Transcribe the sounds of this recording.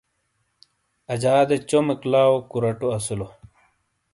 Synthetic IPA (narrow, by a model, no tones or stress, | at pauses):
ɐd͡ʑaːd̪et͡ɕomeklaːwokuɾɐʈuɐsulo